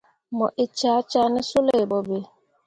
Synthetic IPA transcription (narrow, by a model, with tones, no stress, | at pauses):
mɔ˨ʔɪ˨t͡ʃa˨˦t͡ʃa˦nɪ˦su˦le˨bɔ˨be˨